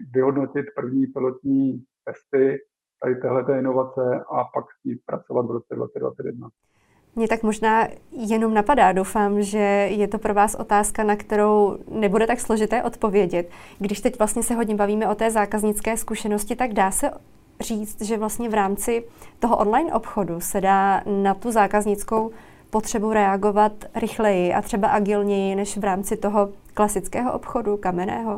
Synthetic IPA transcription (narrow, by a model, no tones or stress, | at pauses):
vɪɦo̞dnocɪt̪pr̩vɲiːpɪlot̪ɲiːt̪ɛst̪ɪ | t̪adɪt̪ɛːɦlɛt̪ɛːɪnovat͡sɛʔapaksciːt̪̚pɾa̰t͡sovat̪vɾot͡sɛdva̰t͡sɛdva̰t͡sɛt̪jɛdna | mɲɛt̪akmo̞ʒnaːjɛno̞mnapadaːdo̞wfaːmʒɛjɛt̪o̞pɾo̞vaːsʔo̞̰t̪aːskanakt̪ɛɾo̞wnɛbudɛt̪akslo̞ʒɪt̪ɛːʔo̞t̪po̞vjɛɟɛt̪ | ɡdɪʃt̪ɛcvlast̪ɲɛsɛɦoɟɲɛbaviːmɛʔo̞t̪ɛːzaːkazɲɪt͡skɛːskuʃɛno̞scɪt̪aɡdaːsɛ | riːt͡st̪ʒɛvlast̪ɲɛvɾaːmt͡sɪt̪o̞ɦoʔonlajnʔopxo̞dusɛdaːnat̪uzaːkazɲɪt͡sko̞w | po̞t̪r̝̥ɛbuɾɛaɡo̞vat̪ɾɪxlɛjɪʔa̰t̪r̥ɛbaʔaɡɪlɲɛjɪnɛʃvɾaːmt͡sɪt̪o̞ɦo̞klasɪt͡skɛːɦoʔo̰pxo̞dukamɛnɛ̰ːɦo̞